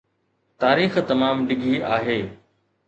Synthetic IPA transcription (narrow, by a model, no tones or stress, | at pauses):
t̪aːɾiːxt̪ɐmaːmɖɪɡʱiʔaːɦeː